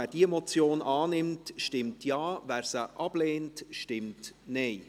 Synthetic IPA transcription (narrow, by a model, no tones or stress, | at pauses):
æːɾd̥iemɔt͡sjoːnʔɑːnɪmtʃtɪmtʰjɑːvæːɾsəʔɑb̥leːntʃtɪmtnɛɪ